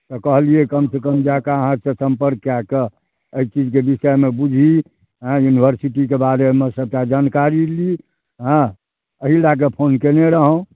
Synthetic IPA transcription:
t̪ɔkəɦliekəmsekəmd͡ʒakaəɦãsẽsəmpəɾkːake | əit͡ʃid͡ʒkebisəmebud͡ʒʱi | ɦə̃junibʱəɾsiʈikebaɾemesəb̚tad͡ʒankaɾili | ɦə̃ | əɦilakepʰonkeneɾəɦõ

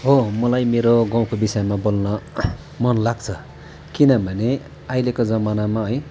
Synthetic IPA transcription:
ɦomʌlajmeɾoɡaw̃kobisʌjmabolnʌ | mʌnlaɡt͡sʰʌ | kinʌbʱʌne | ajlekod͡zʌmanamaɦʌj

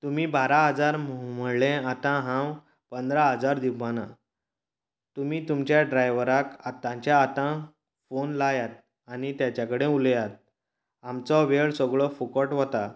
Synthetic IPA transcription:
t̪umiːbaɾaɦəd͡zaɾmməɽlẽat̪ãɦãw | pənd̪ɾaɦəd͡zaɾd̪ibana | t̪umiːt̪umt͡ɕjaɖɾajʋəɾakat̪ːãt͡ɕjaːt̪ã | fonlajat̪̚ | aɽ̃it̪jat͡ɕjakəɽẽuljat̪̚ | amt͡sɔʋeɭsɔɡɭɔfukəʈʋɔt̪a

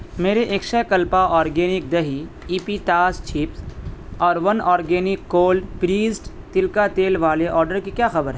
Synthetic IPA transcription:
meːɾeʔeːkʃɛkɐlpaʔɔːɾɡeːnɪk̚d̪ɐɦi | iːpiʈaːst͡ʃʰiːpsɔːɾʋɐnɔːɾɡeːnɪkːoːlɖpɾiːsʈ | t̪ɪlkat̪eːlʋaːleʔɔːɾɖəɾkikjaːxɐbəɾɦɛː

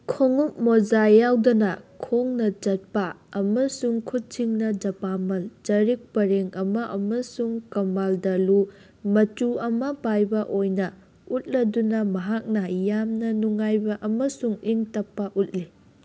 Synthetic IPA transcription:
kʰoŋup̚mod͡ʒajawdɐnɐkʰoŋnɐt͡ʃɐt̚pɐɐmɐsuŋkʰut̚t͡ʃiŋnɐd͡ʒɐpamɐld͡ʒɐɾik̚pɐɾeŋɐmɐʔɐmɐsuŋkɐmaldɐlu | mɐt͡ʃuɐmɐpajbɐʔojnɐ | ut̚lɐdunɐmɐɦak̚nɐjamnɐnuŋajbɐʔɐmɐsuŋiŋtɐpːɐʔut̚li

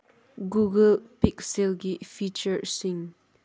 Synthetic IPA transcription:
ɡuɡəlpiksilɡifit͡ʃəɹsiŋ

